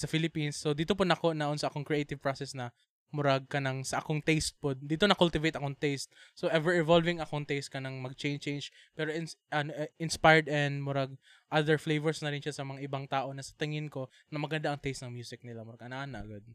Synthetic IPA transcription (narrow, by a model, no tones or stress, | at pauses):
sɐfɪlɪpinsːod̪iːt̪opʊnɐkonɐʔonsɐʔɐko̞ŋkɹɛʔejt̪ɪvpɹosɛsnɐ | mʊɾaɡ̚kɐnɐŋsɐʔɐkoŋt̪ɛjst̪̚pod̪iːt̪o̞nɐkʊlt̪ɪvejt̪ʔɐkoŋt̪ɛjst̪̚soʔɛvɛɹɪvolvɪŋɐkoŋt̪ɛjst̪̚kɐnɐŋmɐɡ̚t͡ʃɛjnt͡ʃejnd͡ʒ | pɛːɾoʔɪnɐnoʔɪnspajɹd̪ɛnd̪mʊɾaɡ̚ | ʔad̪ɛɹflejvɛɹsnɐɾɪnʃasɐmɐŋaʔɪbaŋt̪aːʔo̞nɐsɐ̥t̪ɪŋɪnko̞ | nɐmɐɡɐnd̪aʔɐŋt̪ɛjst̪nɐŋmjuːsɪk̚nɪlamʊɾaɡʔɐnaʔanɐʔɐ̰ɡad̪̚